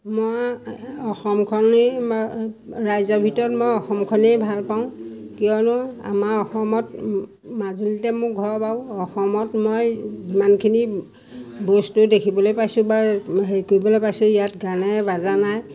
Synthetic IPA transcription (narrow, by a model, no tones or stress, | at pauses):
mojɔxɔmkʰɔne | ɹajzɔbʱitɔɹɔtmojɔxɔmkʰɔnejbʱalpaʊ̃kijɔnɔa̰maɹɔxɔmɔt̚ | mazulitɛmʊkɡʱɔɹpaʊ̃ɔxɔmɔtmojzimankʰini | bostudekʰibɔlojpajsʊ̃baɦeikoibɔlojpajsʊ̃ijatɡanɛbazanaj